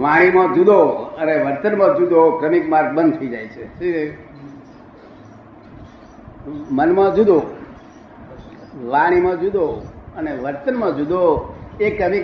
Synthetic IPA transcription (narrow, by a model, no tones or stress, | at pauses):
ʋãɽ̃imãd͡ʒud̪oəneʋəɾt̪ənmãd͡ʒud̪okɾəmikmaɾɡ̚bənd̪t̪ʰəid͡ʒajt͡ʃʰeʃi | mənmãd͡ʒud̪o | ʋãɽ̃imãd͡ʒud̪oəneʋəɾt̪ənmãd͡ʒud̪oekɾəmik